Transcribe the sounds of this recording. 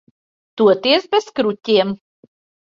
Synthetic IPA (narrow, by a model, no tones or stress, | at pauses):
t̪uɔt̪iɛsbɛskɾutʲiɛm